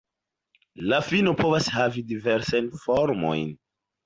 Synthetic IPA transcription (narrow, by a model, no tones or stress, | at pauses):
lafinopo̞vashavidiveɾsajnfoɾmo̞̰jn